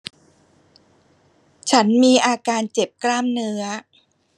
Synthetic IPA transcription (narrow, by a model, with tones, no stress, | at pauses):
t͡ɕʰa˦˥nmiː˧ʔaː˧kaː˧nt͡ɕe˨˩p̚kɾaː˥˩mnɯ˦˥ɐ